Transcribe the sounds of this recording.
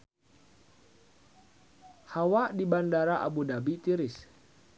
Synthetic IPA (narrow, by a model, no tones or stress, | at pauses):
hawaʔdibandaɾaʔa̰budabit̪iɾɪs